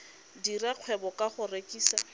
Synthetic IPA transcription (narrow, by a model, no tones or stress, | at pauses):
diraq͡χʰwɛbɔkʼaχʊrekʼiːsa